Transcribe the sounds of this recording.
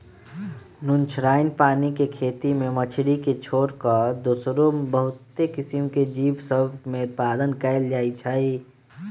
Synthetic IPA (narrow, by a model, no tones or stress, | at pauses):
nʊnt͡ʃʰɾaːɪnpaːnikekʰeːt̪imẽmət͡ʃʰɽiket͡ʃʰoːɾkəd̪oːsɾobəɦʊt̪ːekɪsimked͡ʒiːbsəbʱmẽʊt̪̚paːd̪ənkɛɪld͡ʒaːit͡ʃʰəi